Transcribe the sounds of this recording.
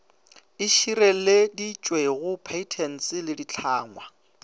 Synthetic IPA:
ɪʃiɾeledit͡ʃʼweɣʊpʰeitʰɛn̩t͡sʼɪlɪdit͡ɬʰaːŋwa

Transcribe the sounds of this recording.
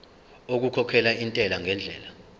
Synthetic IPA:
ok̬ukʰɔkʰɛlaintʼɛlaŋʱɛnd͡ɮʱɛ̰ːla

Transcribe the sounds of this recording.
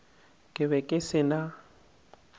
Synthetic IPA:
kʼɪβɛkʼɪsɪna

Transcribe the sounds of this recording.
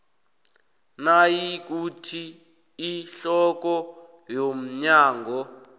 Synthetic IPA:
najik̬utʰiː | ɬɔk̬ɔ | jom̩ɲaːŋɡɔ

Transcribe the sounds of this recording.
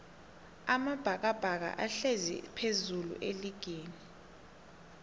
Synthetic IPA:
amab̥ʱak̬ab̥ʱak̬a̰ʔaɬezḭpʰezulṵʔeliɡ̥ʱeːni

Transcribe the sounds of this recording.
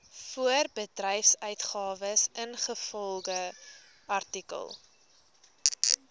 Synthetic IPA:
fuərbədrɛjfsœɥtχɑːvəsənχəfɔlˠɡə | ɐrtikə̰lˠ

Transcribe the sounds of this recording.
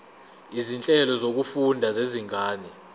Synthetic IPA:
izint͡ɬʼɛlɔzok̬ufundʱazeziŋʱaːni

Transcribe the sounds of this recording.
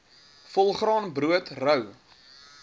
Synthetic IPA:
fɔlˠχrɾɑːnbruətrœw

